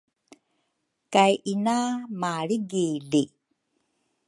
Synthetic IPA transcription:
kajʔinamaɾiɡili

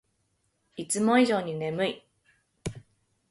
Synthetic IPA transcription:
it͡sɨmõ̞iʑo̞ːɲ̟ine̞mɯ̟i

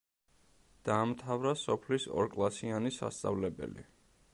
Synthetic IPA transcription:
d̪̥aːmt̪ʰavɾasɔpʰlisɔ̰ɾkʼlˠasianisa̰st̪sʼa̰vlɛbɛ̰lḭ

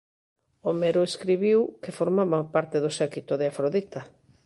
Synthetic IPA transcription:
omeɾoeskɾiβiwkefoɾmaβapaɾt̪eðʊsɛkit̪oðeafɾoðit̪a

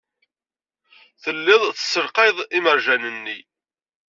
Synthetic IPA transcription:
θəlːɪðˤθəsəlqeðˤiməɾʒænənːi

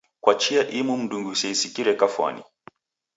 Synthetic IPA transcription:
kwat͡ʃiaʔimum̩ɗuŋɡusɛisikiɾɛkafwa̰nḭ

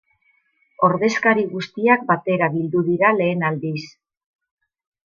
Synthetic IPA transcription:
o̞ɾðe̞skaɾiɣust̪iak̚bat̪e̞ɾaβild̪uðiɾale̞ːnald̪is

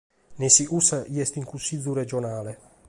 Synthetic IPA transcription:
nesiʔusajɛst̪iŋkusid̪zuɾed͡ʒonaːle

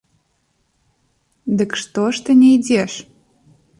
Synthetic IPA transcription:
d̪ə̆kʃt̪oʃt̪ə̆nʲejdʲeʃ

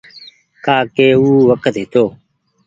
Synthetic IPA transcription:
kaːkeːuːʋəkət̪ɦɪt̪oː

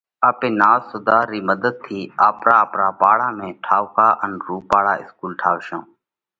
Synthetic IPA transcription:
aːpẽːnaːzsʊd̪aːɾiːməd̪əd̪̚t̪ʰiːaːpɾaːəpɾaːpaːɽaːmẽːʈʰaːʋkaːʔənɾuːpaːɽaːɪskuːlʈʰaːʋʃõː

